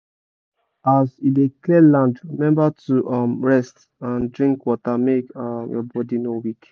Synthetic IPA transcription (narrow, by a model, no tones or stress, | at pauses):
azideklɛlãndɹimɛ̃mbatuʔɔmɹɛst | ãndɹĩŋkwɔtamekɔmjɔbɔdinowik